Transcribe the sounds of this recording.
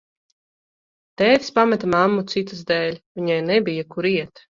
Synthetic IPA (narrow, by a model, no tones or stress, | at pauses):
t̪ɛːvʲspamɛt̪amamːut̪sit̪ɨzd̪ɛːlʲvʲiɲajnɛbʲijakuɾiɛt̪